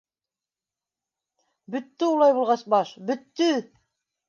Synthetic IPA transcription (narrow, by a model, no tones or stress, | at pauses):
bɵ̆t̪ːɘulˠɑjbulˠʁɑsbɑʃbɵ̆t̪ːɵ